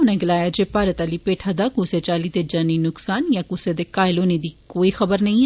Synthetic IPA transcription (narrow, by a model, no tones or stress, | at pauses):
ʊnẽɡɪlaːjad͡ʒepaːɾət̪alipeːʈʰad̪akuːset͡ʃaːlid̪ed͡ʒɐninʊksaːnjakuːsed̪ekaːɪlõned̪ʱikoːixɐbəɾnɐɦĩ